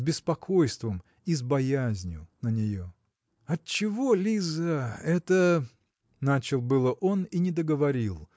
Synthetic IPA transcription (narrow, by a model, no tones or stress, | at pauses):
bʲɪspɐkʰo̞jst̪vəm | izbɐjazʲnʲʊnənʲɪjo | ɐtt͡ɕɪvo̞lʲizəɛt̪ə | nat͡ɕɪlˠbɨlˠəʔo̞ninʲɪd̪əɡəvɐɾʲilˠ